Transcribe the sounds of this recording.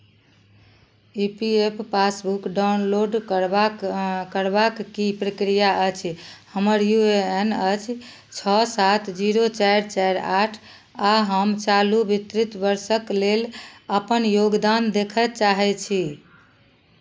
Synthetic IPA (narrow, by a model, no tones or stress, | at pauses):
ipiepʰpasbukɖaunloɖakəɾbakːipɾəkɾijaʔət͡ʃʰhəməɾjueenət͡ʃʰ | t͡ʃʰɔsat̪ʰd͡ʒiɾot͡ʃajɾt͡ʃajɾaʈʰ | aɦəmt͡ʃalubit̪ɾit̪bəɾsəkleləpənjoɡd̪and̪ekʰət̪t͡ʃaɦɛt͡ʃʰi